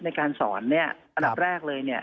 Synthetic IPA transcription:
na˧jkaː˧nsɔ̰ː˩˦nːi˥˩ɐʔa˧nda˨˩p̚ɾɛː˥˩k̚lɤː˧jni˥˩ɐ

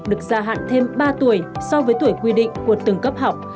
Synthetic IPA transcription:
k͡p̚ɗɨ˨˩ək̚zaː˧ɦa̰ː˧˨ŋt̪ʰe˧mɓaː˧t̪u˧˩əjsɔ˧wvəː˨˦jt̪u˧˩əjkwi˧ɗḭ˧˨ŋ̟ku˧˩ət̪ɨ˨˧˩ŋkə˦˥p̚ha˨˩wk͡p̚

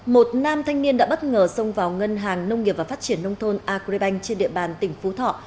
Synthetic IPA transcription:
mo˨˩t̚naː˧mt̪ʰa˧jŋ̟ni˧ənɗa̰ː˧˥ɓə˦˥t̚ŋəː˨˩sə˧wŋ͡mvaː˨˩wŋə˧nɦaː˨˩ŋnə˧wŋ͡mŋi˨˩əp̚vaː˨˩fa˦˥t̚t͡ɕi˧˩ənːə˧wŋ͡mt̪ʰo˧nʔaː˧ke˧ɓa˧jŋ̟t͡ɕe˧nɗḭ˧˨əɓaː˨˩nt̪ï˧˩ŋ̟fu˨˦t̪ʰɔ̰˧˨

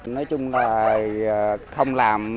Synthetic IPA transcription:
nɔ˨˦jt͡ɕʊ˧ŋ͡mlaː˨˩˨ | xə˧wŋ͡mlaː˨˩m

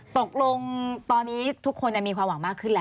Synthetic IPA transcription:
t̪o˨˩k̚lo˧ŋt̪ɔː˧nːiː˦˥t̪ʰu˦˥kʰːo˧nt͡ɕa˨˩miː˧kʰwaː˧mwa˩˦maː˥˩kʰɯ˥˩lɛː˦˥

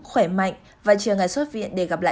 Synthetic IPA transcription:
xwe˧˩ma̰˧˨jŋ̟ | vaː˨˩t͡ɕɨ˨˩əŋaː˨˩jswo˦˥t̚vḭ˧˨ənɗe˧˩ɣaː˨˩p̚la̰ː˧˨

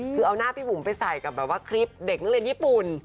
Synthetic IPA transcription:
ɯː˧ʔa˧wnaː˥˩pʰiː˧mu˨˩˦mpa˧jsa˨˩jka˨˩bɛː˨˩p̚waː˥˩kʰɾi˦˥p̚de˨˩k̚ŋ˦˥˩li˧ə˧njiː˦˥˩pu˨˩n

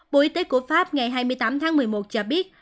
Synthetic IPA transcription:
ɓo̰˧˨ʔi˨˦t̪e˨˦ku˧˩əfaː˦˥p̚ŋa˨˩jɦaː˧jmɨ˧əjt̪aː˨˦mt̪ʰaː˨˦ŋmɨ˨˩əjmo˨˩t̚t͡ɕɔː˧˩ɓi˦˥ət̚

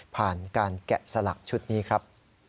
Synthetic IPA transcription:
pʰaː˨˩nkaː˧nkɛ̰˨˩sa˧la̰˨˩k̚t͡ɕʰu˦˥t̪̚niː˦˥kʰɾa˦˥p̚

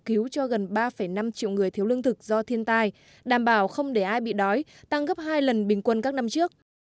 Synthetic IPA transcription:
ki˨˦wt͡ɕɔ˧ɣə˨˩nɓaː˧fə˧˩jna˧mt͡ɕḭ˧˨wŋɨ˨˩əjt̪ʰi˨˦wlɨ˧əŋt̪ʰɨ˨˩k̚zɔ˧t̪ʰi˧ənt̪aː˧j | ɗaː˧˩mɓaː˧˩wxə˧wŋ͡mɗe˧˩ʔaː˧jɓḭ˧˨ɗɔ˨˦jt̪a˧ŋɣə˦˥p̚ɦaː˧jlə˨˩nɓï˨˩ŋ̟kwə˧nkaː˦˥k̚na˧mt͡ɕɨ˦˥ək̚

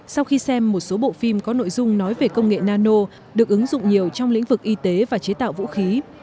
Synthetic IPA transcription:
sa˧wxi˧sɛ˧mːo˨˩t̚so˨˦ɓo̰˧˨fi˧mkɔ˨˦no̰˧˨jzʊ˧ŋ͡mnɔ˨˦jve˨˩kə˧wŋ͡mŋḛ˧˨naː˧no˧ | ɗɨ˨˩ək̚ʔɨ˨˦ŋzʊ̰˧˨ŋ͡mɲi˨˩əwt͡ɕɔ˧wŋ͡mlḭ̈˧˥ŋ̟vɨ˨˩k̚ʔi˧t̪e˨˦vaː˨˩t͡ɕe˨˦t̪a̰ː˧˨wvṵ˧˥xi˨˦

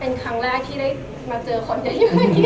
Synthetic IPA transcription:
pe˧nkʰa˧˦ŋlaː˥˩jt̪ʰiː˥˩daː˥˩j | maː˧t͡ɕɤː˧kʰo˧nja˨˧˦jɲɯ˧˥ma˥˩iː˥˩

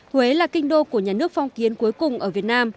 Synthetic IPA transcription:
we˨˦laː˨˩kï˧ŋ̟ɗo˧ku˧˩əɲaː˨˩nɨ˦˥ək̚fɔ˨˧wŋ͡mki˨˦ənku˨˦əjkʊ˨˩ŋ͡mʔəː˧˩vi˨˩ət̚naː˧m

